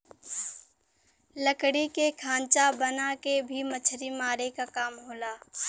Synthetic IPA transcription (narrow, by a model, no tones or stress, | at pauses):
ləkɽikekʰãːnt͡ʃabɐnakebʱimɐt͡ʃʰɾimaːɾekakaːmɦoːlaː